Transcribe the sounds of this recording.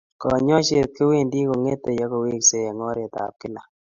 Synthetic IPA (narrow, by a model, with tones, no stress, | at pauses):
kɔ˨ɲɔ˦ʃe˨t̪̚ke˦we˦˨ndi˦ko˨ŋe˦t̪o˨ja˦ko˨we˦kse˦jɛ˨ŋɔ˦ɾɛ˨t̪a̰˨p̚kɪ˦la˨